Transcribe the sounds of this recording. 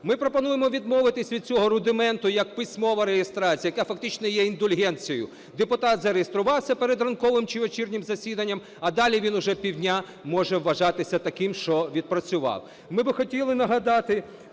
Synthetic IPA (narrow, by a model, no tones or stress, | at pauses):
mɪpɾɔpɐnujemɔʋʲid̪mɔʋɪt̪ɪsʲʋʲid̪̚t͡sʲɔɦɔɾʊd̪ɪmɛnt̪ʊjɐk̚pɪsʲmɔʋɐɾejest̪ɾat͡sʲijɐjɐkafɐk̚t̪ɪt͡ʃnɔjɛind̪ɔlʲɦɛnʲt͡sʲijjʊ̰ | d̪epʊt̪ɑt̪zɐɾejest̪ɾʊʋɑwsʲɐpeɾed̪rɐnkɔʋɪmt͡ʃiʋɔt͡ʃirnʲɪmzɐsʲid̪ɐnʲːɐm | ɐd̪ɑlʲiʋʲinʊʒɛpʲiwdʲnʲa | mɔʒɛwːɐʒɑt̪ɪsʲɐt̪ɐkɪmʃt͡ʃɔʋʲid̪̚pɾɐt͡sʲʊʋɑ̰w | mɪbɪxɔtʲilˠɪnɐɦɐd̪ɑt̪ɪ